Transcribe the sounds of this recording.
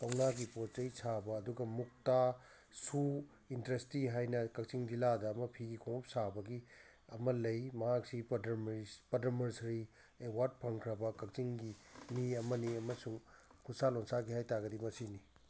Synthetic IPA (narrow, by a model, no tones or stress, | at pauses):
pawnaɡipot̚t͡ʃɐjsabɐːduɡɐmuk̚ta | su | intɾestiɦajnɐkɐk̚t͡ʃiŋdiladɐːmɐpʰiɡikʰoŋup̚sabɐɡi | ɐmɐlɐjmɐɦak̚sidmpɐdɐmɐɾsɾi | ewaɾd̚pʰɐŋkʰɾɐbɐkɐk̚t͡ʃiŋɡiniɐmɐniɐmɐsuŋkʰusaloŋsaɡihajtaɡɐdimɐsini